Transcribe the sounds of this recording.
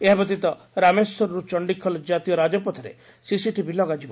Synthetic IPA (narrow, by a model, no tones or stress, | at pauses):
eɦabɔt̪it̪ɔ | ɾamesɔɾɔɾut͡ʃɔɳɖikʰːɔlɔd͡ʒat̪ijɔɾad͡ʒɔpɔt̪ʰaɾḛ | sisiʈibilɔɡad͡ʒibɔ